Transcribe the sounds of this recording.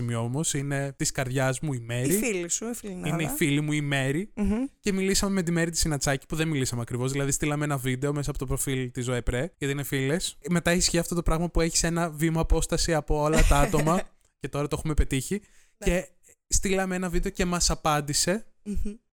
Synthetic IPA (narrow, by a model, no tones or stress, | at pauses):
imioomo̞sine̞t̪iskɐɾðʝɐzmuime̞ɾɾiifilisufilnineifilimuime̞ɾice̞milisɐme̞me̞t̪̬ime̞ɾit̪i̥sinɐt͡sɐci̥puðe̞nmilisɐmeɐkɾivo̞zðilɐðist̪ilɐmeenɐvid̪e̞o̞mes̬ɐpot̪opɾo̞filt̪izoepɾeʝɐt̪iinefile̞sme̞t̪ɐisçiɐft̪o̞t̪opɾɐɣmɐpue̞çi̥se̞nɐvimoɐpo̞st̪ɐsiɐpo̞olɐt̪ɐɐt̪o̞mɐ | ce̞t̪o̞ɾɐt̪oxume̞pe̞t̪içi | e̞ | st̪ilɐmeenɐvid̪e̞o̞ce̞mɐsɐpɐnd̪ise̞